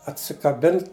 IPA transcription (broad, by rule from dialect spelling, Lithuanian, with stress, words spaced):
ɐtʲsʲɪkɐˈbʲɪn